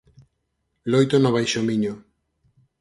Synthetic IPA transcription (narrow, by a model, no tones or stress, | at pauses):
lojt̪onoβ̞ajʃomiɲo